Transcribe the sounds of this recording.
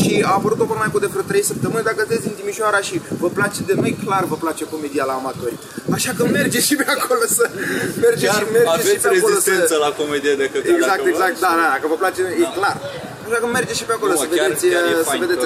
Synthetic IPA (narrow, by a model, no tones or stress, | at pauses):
ʃiapəɾut̪ovəmajkud̪efɾət̪ɾe̞jsəp̚t̪əmɨnʲd̪akəst̪et̪ʲd̪int̪imiʃoaɾaʃivəplat͡ʃe̞d̪e̞nojklarvəplat͡ʃepomed̪ialaːmat̪o̞rʲ | aʃakəme̞rd͡ʒeʃipeakʰo̞losəme̞rd͡ʒemerd͡ʒeʃipeakolosensəlakomed̪ijad̪ekɨeɡzak̪eɡzak̚t̪̚d̪ad̪ad̪akəvəplat͡ʃejeklar | aʃakəme̞rd͡ʒeʃipeako̞losəveesʲsəve̞d̪e̞